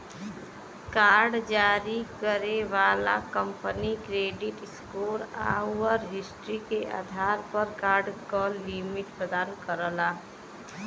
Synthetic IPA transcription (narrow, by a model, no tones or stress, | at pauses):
kaːɾɖd͡ʒaːɾikəɾeʋaːla̰kəmpənikɾeːɖɪʈskoːɾa̰ʋəɾɦɪsʈɾikeʔa̰d̪ʱaːɾpəɾkaːɾɖkalimɪʈpɾəd̪aːnkəɾəlaː